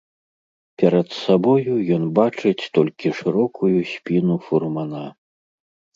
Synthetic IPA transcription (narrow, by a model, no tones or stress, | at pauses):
pʲɛɾɐt̪sabɔjujɔnbat͡ʂɨt͡sʲt̪ɔlʲkʲiʂɨɾɔkʰujusʲpʲinufurmana